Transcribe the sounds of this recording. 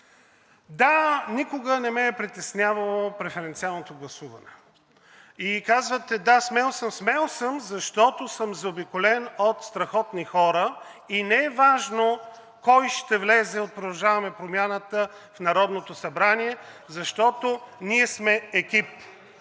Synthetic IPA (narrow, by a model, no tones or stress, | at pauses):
d̪anikʊɡənɛmɛːpɾit̪ɛsnʲavəlˠopɾɛfɛɾɛnt̪sialˠnot̪oɡlˠɐsuvənɛ | ikazvət̪ɛd̪asmɛlˠsəmsmɛlˠsəmzɐʃt̪ɔt̪osəmzɐobikolɛnot̪st̪ɾɐxɔt̪nixɔɾə | inɛɛvaʒno | kɔjʃt̪ɛvlɛzɛot̪̚pɾod̪ɐʒavɐmɛpɾomʲjanət̪ə | fnɐɾɔd̪not̪osɐbɾaniɛzɐʃt̪ɔt̪oniɛsmɛːkʲip